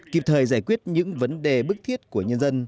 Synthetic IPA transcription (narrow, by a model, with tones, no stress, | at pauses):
ki˨˩p̚t̪ʰəː˨˩jzaː˧˩jkwi˦˥ət̚ɲɨ̰˧˥ŋvə˨˦nɗe˨˩ɓɨ˦˥k̚t̪ʰi˦˥ət̚ku˧˩əɲə˧nzə˧n